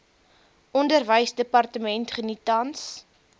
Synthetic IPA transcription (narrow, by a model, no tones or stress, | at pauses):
ʔɔndərvəjsdəpɑrtəmɛntχənitɐns